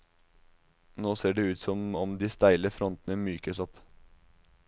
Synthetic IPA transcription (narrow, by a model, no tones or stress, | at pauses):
noːseːɖeːʉːt̪sɔmɔmd̪iːst̪æɪləfɾɔnt̪ənəmyːkəsɔp